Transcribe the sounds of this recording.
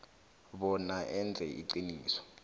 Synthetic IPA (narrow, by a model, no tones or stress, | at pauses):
ɓɔnaʔɛnd͡zʱɛiǀiniːsɔ̥